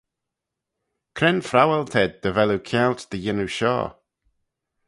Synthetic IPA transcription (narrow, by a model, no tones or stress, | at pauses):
kʰɾɛnfɾawɛlt̪ʰɛd̪̚ːəvɛlukʰjawlt̪d̪̥əjɪnuʃɔ̰ː